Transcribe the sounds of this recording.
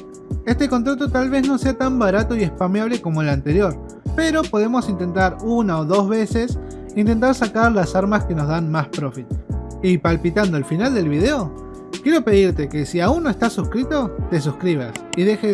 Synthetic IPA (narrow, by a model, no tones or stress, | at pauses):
e̞st̪e̞ko̞nt̪ɾat̪o̞t̪alβe̞zno̞seat̪ambaɾat̪o̞ie̞spamjaβ̞le̞ko̞mo̞elant̪e̞ɾjo̞ɾ | pe̞ɾo̞po̞ð̞e̞mo̞sint̪e̞nt̪aɾunaoðo̞zβe̞se̞s | int̪e̞nt̪aɾsakaɾlasaɾmaske̞no̞zðanmaspɾo̞fit̪̚ | ipalpit̪and̪oelfinald̪e̞lβiðe̞o̞ | kje̞ɾope̞ðiɾt̪e̞ke̞siauŋnːoest̪asuskɾit̪o̞t̪e̞s̬uskɾiβ̞asiðe̞xe